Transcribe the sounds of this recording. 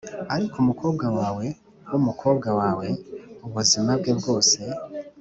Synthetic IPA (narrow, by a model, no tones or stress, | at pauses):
aɾikumuko̞ːbɡawaːwe̞ | wumukʰo̞ːb̚ɡawaːwe̞uβuzimabɡe̞bɡo̞ːse̞